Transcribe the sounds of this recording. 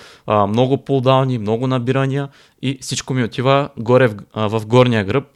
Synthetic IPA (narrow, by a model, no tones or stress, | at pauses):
mnɔɡʊpolˠd̪alˠnimnɔɡʊnɐbiɾɐnijɐ | ifsit͡ʃkomiot̪ivəɡɔɾɛvɐfɡɔɾnijəɡɾɤp̚